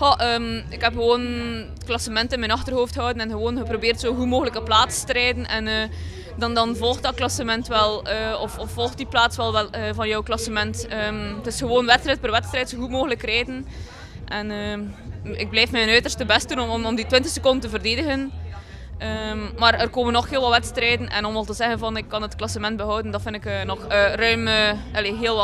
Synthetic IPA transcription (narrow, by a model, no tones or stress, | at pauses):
xɔʔəːmɪkɦɛpxəʋoːn | klɑsəmɛntɪnmɛnɑxtərɦoːfthɔwdənɛnɣəʋoːnɣəprobɪːrtsoːɦumoːɣələkəplaːtstəɾɛjdənʔɛnəː | dɑndɑnvɔlˠx̚dɑt̚klɑsəmɛntʋɛlˠəːɔfɔfːɔlˠxt̚diplaːtsʋɛlˠʋɛlˠəːvɑnjɔwklɑsəmɛntəːmətɪsxəʋoːnʋɛtst̪rɛjt̚pərʋɛtstrɛjtsoxutmoːɣələkrɛjdən | ʔɛnəː | ɪɡ̚blɛjfmɛənœɥtərstəbɛst̚dunɔɔmɔmditʋɪntəxsəkɔndəntəvərdeːdəɣən | əːmmaːɾərkoːmənːɔxɦɪːlˠʋɑlˠʋɛtstrɛːdənʔɛ̰nɔmɑlˠtəzɛɣənvɑnɪkːɑnətklɑsəmɛnt̚bəɦɔwdəndɑtfɪndɪkəːnɔxəːrœɥməɑleɦeːlˠʋɑ